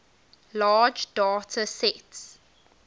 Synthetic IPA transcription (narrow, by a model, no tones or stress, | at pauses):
laːd͡ʒdɔːtʰəsɛts